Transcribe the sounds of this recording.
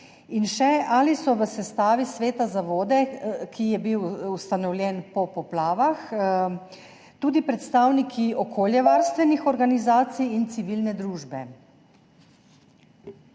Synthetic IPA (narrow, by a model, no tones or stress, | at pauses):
inʃɛalisɔʋəsɛst̪aːʋisʋeːt̪azaʋoːd̪ɛkʰijɛbiwust̪anɔwljɛnpɔpɔplaːʋax | t̪uːd̪ipɾɛt̪st̪aːwnikʰiʔɔkʰoːljɛʋaːɾst̪ʋɛnixɔɾɡanizaːt̪sijint̪siʋilnɛd̪ɾuːʒbɛ̰